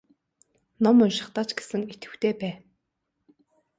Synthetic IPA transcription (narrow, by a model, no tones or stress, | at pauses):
nɔmʊnʃɪ̆χt̪aːt͡ɕɡe̥sɘ̆ŋit̪ɡɘ̆wt̪ʰeːpæː